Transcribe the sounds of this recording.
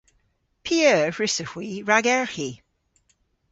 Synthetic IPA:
pʰiəːɹɪsəxwiɹaɡɛɹxi

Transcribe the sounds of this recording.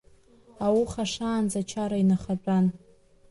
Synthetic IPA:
awuχaʂaːnd͡zat͡ʃʰaɾainaχabʼran

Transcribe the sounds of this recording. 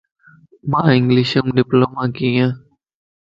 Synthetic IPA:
mãːɪŋɡliʃəmɖɪploːmãːkijãː

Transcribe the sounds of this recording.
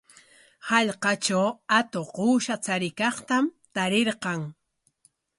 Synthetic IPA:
hɑʎqɑt͡ʃawat̪oquːʃat͡saɾɪkɑχt̪amt̪aɾeɾqɑŋ

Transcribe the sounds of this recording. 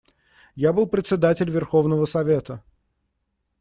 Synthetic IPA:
jabɨlˠpɾʲɪt̪sʲɪd̪atʲɪlʲvʲɪrxo̞vnəvəsɐvʲe̞t̪ə

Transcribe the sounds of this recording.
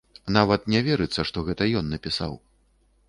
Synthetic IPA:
navɐt̪nʲɛvʲɛɾɨt̪sːɐʂt̪ɔɣɛt̪ɐjɔnːɐpʲisa̰w

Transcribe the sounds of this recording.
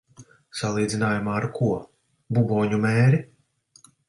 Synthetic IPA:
salˠiːd̪inaːjumaːɾkuɔ | bubɔːɲumɛːɾi

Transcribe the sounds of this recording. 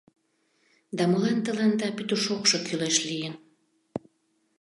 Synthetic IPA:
d̪ɑməlɑnt̪əlɑnd̪ɑpyt̪uʃokʃŏkyleʃlijən

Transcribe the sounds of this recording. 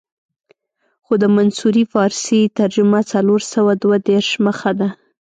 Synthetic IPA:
xod̪əmansuɾifɑɾset̪aɾd͡ʒʊmat͡saloɾsawad̪wad̪eɾʃməxad̪a

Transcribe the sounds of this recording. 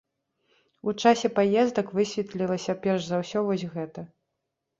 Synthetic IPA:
ut͡ʂasʲɛpajɛzd̪ɐkvɨsʲvʲɛt̪lʲilˠɐsʲɐpʲɛrʐzawsʲɔvɔsʲɣɛt̪ɐ

